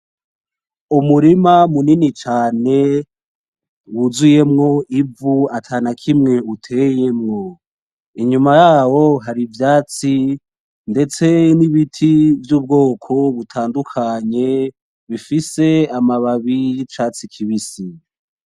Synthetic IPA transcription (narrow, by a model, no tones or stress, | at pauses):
umuɾimamuninit͡ʃaːne̞ | wuzuje̞mŋo̞ʔivuatʰaːnakʰimŋe̞utʰe̞je̞mŋo̞ | iɲumajaːwo̞ɦaɾivjaːt͡si | nde̞t͡se̞niβitʰivjuːb̚ɡo̞ːkʰo̞βutʰaːndukʰaɲe̞ | βifise̞amaβaβit͡ʃaːt͡sikʰiβisi